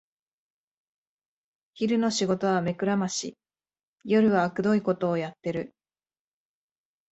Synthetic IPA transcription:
çiɾɯ̟no̞ɕiɡo̞t̪o̞β̞ame̞kɯ̟ɾamaɕḭ | jo̞ɾɯ̟βaːkɯ̟d̪o̞iko̞t̪o̞ːjat̪ːe̞ɾɯ̟

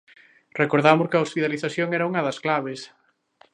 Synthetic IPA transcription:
rekoɾðamoskɐospit̪aliθaθjoŋɛɾɐuŋɐðɐsklaβes

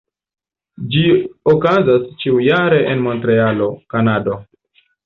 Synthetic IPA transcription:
d͡ʒiokazast͡ʃiujaɾe̞ʔenmo̞ntɾe̞alo̞kanado̞

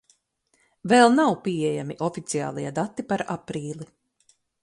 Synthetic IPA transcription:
vɛlˠnawpiɛjamiʔɔfit̪sia̰ːlˠijad̪at̪ːipaɾapɾiːlˠi

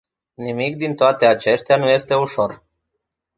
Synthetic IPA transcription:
nimik̚d̪int̪oat̪e̞at͡ʃe̞st̪eanuje̞st̪e̞uʃo̞r

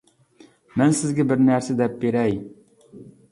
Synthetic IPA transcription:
mɛnsɪzɡʲɛbɪɾnæɾsed̪ɛp̚beɾɛj

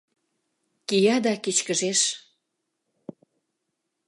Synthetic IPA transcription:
kijɑd̪ɑkit͡ɕkəʒeʃ

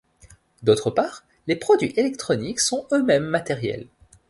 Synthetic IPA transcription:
d̪ot̪χəpaːʁ | lepχɔd̪ɥḭʔelɛk̚t̪χɔniksɔ̃ømɛmːat̪ɛʁjɛ̰l

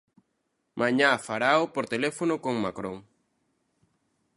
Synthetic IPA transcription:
mʔaɲafaɾaopoɾt̪elefonʊkoŋmakɾõŋ

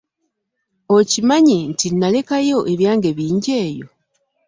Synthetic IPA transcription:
ocimaɲintinːale̞kajo̞ʔe̞βjaːŋɡe̞βiːɲɟe̞ːjo̞̰

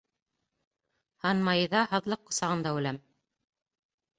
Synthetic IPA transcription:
hɑnmɑjɤðɑhɑ̆ðlˠɤqːŏsɑʁɤ̆nd̪ɑʉlæm

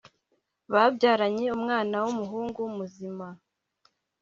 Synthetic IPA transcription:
βavɟaːɾaɲe̞umŋaːnawumuɦuːŋɡuumuzima

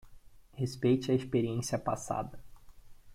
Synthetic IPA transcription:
hespejt͡ʃɪɐispeɾiẽsiɐpa̰sa̰d̪ɐ

